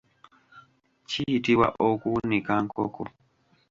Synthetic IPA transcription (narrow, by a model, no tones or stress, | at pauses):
t͡ʃitiwa̰ʔɔkunikaŋkɔkɔ